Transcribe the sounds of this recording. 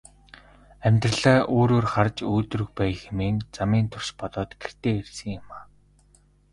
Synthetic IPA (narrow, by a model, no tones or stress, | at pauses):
æmʲt̪rə̆ɮaːʔoːɾoːrχart͡ɕuːt̪rɵ̆xpæːjxemeːnt͡samiːnt̪ʰʊrʃpɔt̪ɔːt̪ɡ̥er̥t̪eːersɘ̆ŋjʊmaː